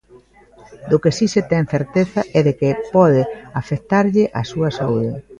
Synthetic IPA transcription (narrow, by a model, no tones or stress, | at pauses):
d̪ʊkesiset̪ɛŋθeɾt̪eθɐʔɛðekɪpɔðɪafekt̪aɾʎɪʔɐsuɐsauðɪ